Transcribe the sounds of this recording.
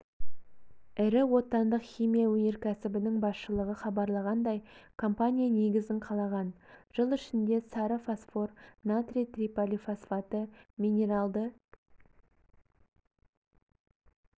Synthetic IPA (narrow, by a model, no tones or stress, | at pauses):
ɪɾɪwo̞t̪ɑnd̪əqχijmʲijawɵne̞ɾkʲʰæsɪbɪnɪŋbɑsʃəlˠəʁəχɑbɑɾlˠɑʁɑnd̪ɑjkʰo̞mpanʲijane̞ɡʲɪzɪŋqʰɑlˠɑʁɑnʒ̥əlˠɪʃɪnd̪e̞sɑɾəfosfo̞rnat̪rʲit̪rʲipolʲifasfat̪əmʲine̞ɾɑlˠd̪ə